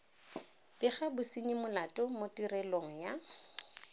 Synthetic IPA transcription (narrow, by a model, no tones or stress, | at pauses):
b̥ɪχabʊsiɲimʊlatʼʊmotʼirɛloŋ̩ja